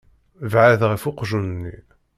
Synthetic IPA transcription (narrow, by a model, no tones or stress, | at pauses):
vʕaðʁəfʊqʒunənːi